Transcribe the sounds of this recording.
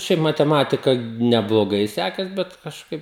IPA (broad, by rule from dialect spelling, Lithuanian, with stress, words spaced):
ˈʃʲɛɪp mɐtʲɛˈmɑːtʲɪkɐ nʲɛblˠoːˈɡɐɪ ˈsʲæːkʲeːs ˈbʲɛt kɐʃˈkɐɪp